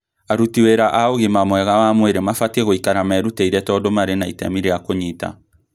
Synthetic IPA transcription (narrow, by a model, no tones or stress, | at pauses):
aɾutiweɾaʔaoɣemamwɛɣawamweɾemafatɛɣoikaɾamɛɾuteiɾɛtɔdomaɾenaitɛmiɾeakoɲita̰